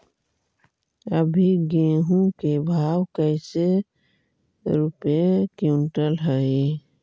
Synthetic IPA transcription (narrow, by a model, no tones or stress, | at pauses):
əbʱiɡeɦũkebʱawkəɪse | ɾupekiʊɳʈəlɦəi